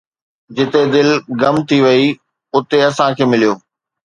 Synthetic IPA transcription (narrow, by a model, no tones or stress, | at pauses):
d͡ʑɪt̪ed̪ɪlɡɐmt̪ʰiʋɐi | ʊt̪eɐsãkʰeːmɪlijoː